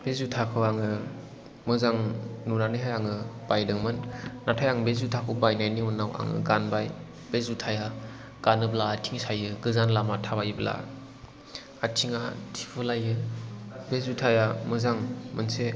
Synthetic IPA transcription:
b̥ezutʰakʰɯwaŋɯ | mɯzaŋnuɾanɯɦajaŋɯb̥ajdɯŋmɯnːatʰajaŋbezutʰakʰɯwbajnajniunːawa̰ŋɯ̰ɡanbaj | b̥ezutʰaja | ɡ̥anɯblatʰiŋsajɯɡɯzanlamatʰabajbla̰ | atʰiŋatʰi̥pʰɯlajɯ | bezutʰajamɯzaŋmɯnse

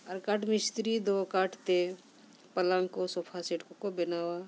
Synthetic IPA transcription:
əɾkaʈʰmɪst̪ɾid̪okaʈʰt̪e | pəlãŋkosopʰaseʈkokobɪnaːwa

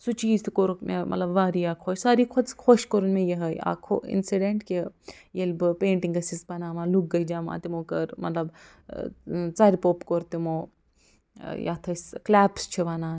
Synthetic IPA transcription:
sut͡ʃiːzt̪koɾukmḛmɐ̰lɐbʋaːɾiaːkʰoːʃsaːɾikʰoskʰoʃkoɾunmẽjeɦɐja̰ːkʰo̰ḭnsiɖeɳʈkejelbɨpeːɳʈiŋɡɐsispɐnaːʋãːluk̚ɡɐd͡ʒaːmã̰ːt̪imoːkɐɾmɐ̰t̪lɐb | t͡saːɾipoːpkoɾt̪imoː | ja̰ːt̪ʰɐsklɛːpst͡ʃʰiʋaːnaː

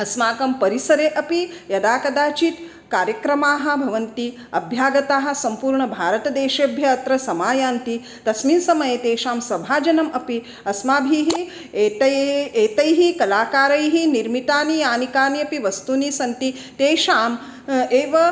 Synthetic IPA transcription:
ɐsmaːkɐmpɐɾisɐɾeːʔɐpijɐd̪aːkɐd̪aːt͡ʃit̪ | kaːɾjɐkɾɐmaːɦɐ̆bʱɐʋɐnt̪i | ɐbʱjaːɡɐt̪aːɦɐ̆sɐmpuːɾɳɐbʱaːɾɐt̪ɐd̪eːʃeːbʱjɐɐt̪ɾɐsɐmaːjaːnt̪i | t̪ɐsmiːnsɐmɐjet̪eːʃaːmsɐbʱaːd͡ʒɐnɐmɐpi | ɐsmaːbʱiːɦi | eːt̪ɐeːt̪ɐjɦikɐlaːkaːɾɐjɦiniɾmit̪aːnijaːnikaːniɐpiʋɐst̪uniːsɐnt̪i | t̪eːʃaːm | eːʋɐ

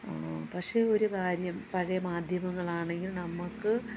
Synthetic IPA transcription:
pɐkʂe̞ːo̞ɾukaːɾjɐmpɐɻɐjɐmaːd̪ʱjɐmɐŋːɐɭaːɳe̞ŋɡilnɐmːukːɨ

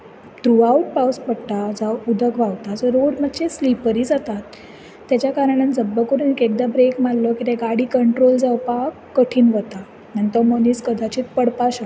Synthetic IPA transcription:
ʈ̪ɾuauʈ̚pawspəɽt̪ad͡zawud̪ʱəkʋaʋt̪ad͡zəɾoɽməd̪t͡ɕeslipəɾiːd͡zat̪at̪ː | jat͡ɕjakaɾanand͡zəbːəkuɾənikek̚d̪abɾekmallɔkit̪eɡaɽiːkəɳʈɾold͡zaʋpakːəʈʰiːnʋət̪a | nənt̪əmoniskəd̪ʱat͡ɕiːt̪pəɽpaɕa

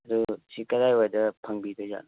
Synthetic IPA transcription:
ɐdusikɐɾajojdɐpʰɐŋbidoza̰n

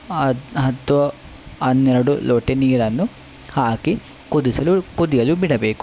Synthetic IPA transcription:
ɐɦɐt̪ːʋɐ | ɐnːeɾɐɽuloːʈeniːɾɐnːu | haːki | kud̪isɐlukud̪ijɐlubiɽɐbeːku̥

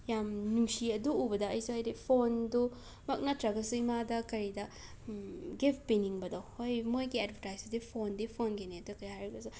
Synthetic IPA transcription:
jamnuŋsiɐduːbɐdɐɐjsuɦajdipʰondu | mɐk̚natɾɐɡɐsuimadɐkɐɾidɐ | ɡipʰpiniŋbɐdɐwhojmojɡiɐdbɐtajsɐdipʰondipʰonɡineɐdukɐjajɾɐɡɐsu

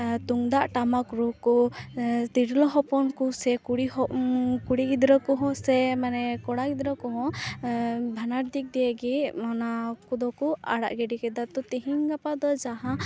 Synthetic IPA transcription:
t̪uŋd̪aʔʈamakɾukɔ | t̪iɾlɔɦɔpɔnkusɛkuɽiɔkuɽiɡid̪ɾɔkɔɦɔ̃sɛmanɛkɔɽaɡid̪ɾɔkɔɦɔ̃ | bʱanaɾd̪ik̚d̪ijɛɡimanakud̪ɔkua̰ɽa̰ʔɡɛɖikɛd̪at̪ɔt̪iɦiŋɡapad̪ɔd͡ʒaɦã

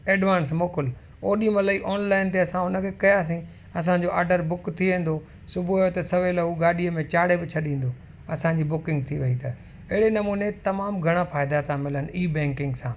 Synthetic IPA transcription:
eːɖʋaːnsmoːkʊl | oːɗimɐləiʔɔːnlaːɪnt̪eɐsãʊnə̆kʰekɐjaːs̬ĩ | ɐs̬ãɲd͡ʑoʔaːɾɖəɾbʊkt̪ʰiʋẽːn̆d̪o | sʊbʱuɐjot̪ɐsɐʋelɐuɡaːɗiəmẽt͡ɕaːɽebɪt͡ɕʰɐɗĩːn̆d̪o | ɐsãɲd͡ʑiːbʊkɪ̃ŋɡt̪ʰiʋɐit̪ʰɐ | ɐɦɪɽenɐmuːnet̪ɐmaːmɡʱɐɽ̃afaːjɪd̪at̪ʰãmɪlənɪiːbɛ̃ːŋkɪ̃ŋɡsãː

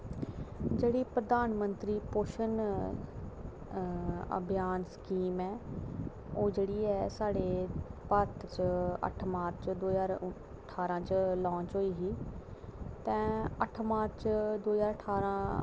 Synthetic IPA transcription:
d͡ʑeːɽipɾɐd̪aːnmə̃nt̪ɾipoːʃən | ɐ̰bʱjaːnskiːmɛ̃ː | oːd͡ʑeːɽiɛsaːɽepɐt̪ʰt͡ɕɐ̰ʈʰmaːɾt͡ʃd̪oːzaːɾ | ʈʰaːɾãt͡ɕəlɔ̃ːt͡ɕɦoːiːɦiː | t̪ɛ̃ɐʈʰmaːɾt͡ʃd̪oːzaːɾəʈʰaːɾã

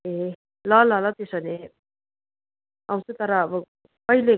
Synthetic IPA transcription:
e | lʌlʌlʌt̪esʌne | ʌw̃t͡sʰut̪ʌɾʌːbʌ | pʌile

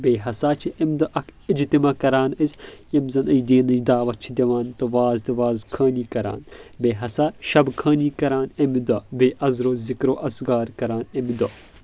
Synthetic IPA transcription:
beːɦɐsaːt͡ʃʰiʔɐmd̪ɐʔɐkʰid͡ʒt̪imaːkɐɾaːnɐzʲjɐmzɐnɐjd̪eːnɐd͡ʒd̪aːʋɐt͡ʃʰid̪ʲɐʋaːnt̪ɐʋaːzt̪ɐʋaːzkʰɐːniːkɐɾa̰ːnbeːɦɐsaːʃɐbkʰɐːniːkɐɾaːnɐmid̪ɐbeːʔɐzɾoːzikɾoːʔɐsɡaːɾkɐɾaːnɐmd̪o

